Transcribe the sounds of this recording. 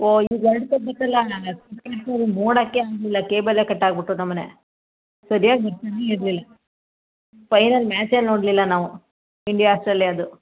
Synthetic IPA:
oːiːɡɐɭɖt̪ɐbɐt̪ːɐlːɐsɐkɐɐɾsaɾinoːɽaːkːeaːɡlilːɐkeːbɐlːekɐʈːaːɡ̚biʈːunɐmːɐnḛ | sɐɾijaːɡɐbɐɾt̪aneiɾlilːɐ | pɐjnɐlmaːt͡ʃelnoːɽlilːɐnaːʋu | iɳɖijaaːsʈɾeljaːd̪u

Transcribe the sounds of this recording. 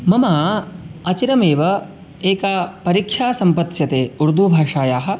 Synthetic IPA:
mɐmaːɐt͡ʃiɾɐmeːʋɐ | eːkaːpɐɾikʂʰaːsɐmpɐt̪jɐt̪eːuɾd̪ʱuːbʱaːʂaːjaːɦɐ̆

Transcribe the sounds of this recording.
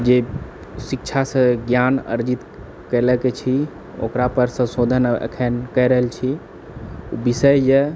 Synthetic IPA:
d͡ʒe | sikt͡ʃʰasə̃ɡjanə̰ɾd͡ʒit̪ | kələket͡ʃʰi | o̰kɾapəɾsə̃sod̪ʱənḛkʰənkəjɾəɦəlt͡ʃʰi | ṵbisəjje

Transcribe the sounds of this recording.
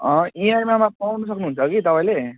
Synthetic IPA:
ʌ̃iarmamapʌnʌsʌknuɦunt͡sʰʌkit̪ʌpãĩle

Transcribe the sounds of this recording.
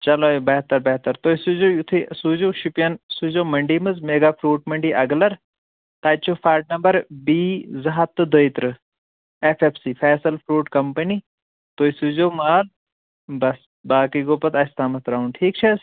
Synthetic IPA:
t͡ʃɐloːbɐɦt̪ɐɾbɐɦt̪ɐɾt̪oːisud͡ʒoːjut̪ʰisuːd͡ʒoːʃipijɐnsuːzoːmɐɳɖiːmɨzmeːɡaːpʰɾuːʈmɐɳɖiʔɐɡlɐɾ | t̪aːt͡ʃʰoːfʰaːɾʈ̚nɐmbɐɾbiːzɐɦɐt̪ːɨd̪əːjt̪ɾɨ | efʰepʰsifʰɛːsɐlpʰɾuːʈkɐmpɐni | t̪oːjsuːd͡ʒoːmaːl | bɐs | baːkiɡoːpɐt̪ɐst̪ʰaːmɐt̪ɾaːunʈʰiːk̚t͡ʃʰɐ

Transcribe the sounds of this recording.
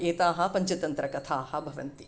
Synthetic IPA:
eːt̪aːɦɐ̆pɐɲt͡ʃɐt̪ɐnt̪ɾɐkɐt̪ʰaːhɐ̆bʱɐʋɐ̰nt̪i

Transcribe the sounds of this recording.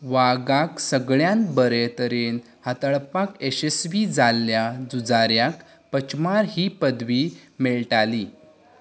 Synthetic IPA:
ʋaɡaksəɡɭjãnbəɾet̪əɾen | hat̪əɭpakesesʋid͡zalːjad͡zud͡zaɾjak | pət͡ɕmaɾɦiːpəd̪ʋiːmeɭʈaliː

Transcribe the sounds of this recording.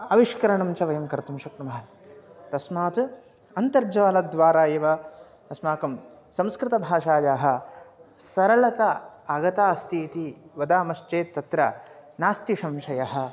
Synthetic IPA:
ɐʋiʂkɐɾɐɳɐmt͡ʃɐʋɐjɐmkɐɾt̪umʃɐkʈɐmɐɦɐ | t̪ɐsmaːt̪ | ɐnt̪ɐɾd͡ʒɐʋaːlɐd̪ʋaːɾaːjeːʋɐ | ɐsmaːkɐm | sɐ̃mskɾɪt̪ɐbʱaːʃaːd͡ʒaːɦɐ̆ | sɐɾɐlɐt̪ɐɐɡɐt̪aːst̪ʰiːt̪iʋɐd̪aːmɐʃt͡ʃeːt̪ːɐt̪ɾɐnaːst̪iʃɐmʃɐjɐɦɐ̆

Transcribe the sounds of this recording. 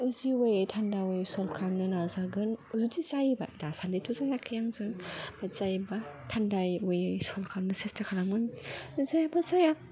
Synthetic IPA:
ziwejejtʰandawojsɔlkʰamnɯnazaɡɯnzutizajba̰dasandetʰuzajakʰɯjaŋzɯŋbaz̥ajbatʰandajwɯjsɔlkʰamnɯsestʰakʰalaŋɯnzajabazaja

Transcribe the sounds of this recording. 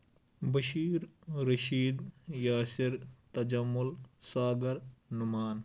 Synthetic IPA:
bɐʃiːɾɾɐʃiːd̪jaːsɪɾt̪ɐd͡ʒɐmːʊlsaːɡɐɾnʊmaːn

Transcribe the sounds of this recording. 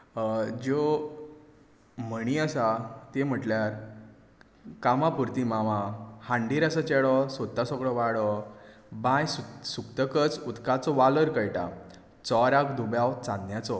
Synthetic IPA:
d͡ʑo | m̤əɽ̃iasat̪em̤əʈljaɾ | kamapuɾt̪imaʋãhãɳɖiɾasət͡ɕeɭɔsɔt̪ːasɔɡɭɔʋaɽɔ | bãjsusukt̪əkət͡sut̪kat͡sɔʋaləɾkəjʈa̰ | t͡sɔɾakd̪ubjawt͡sãnd̪jat͡sɔ

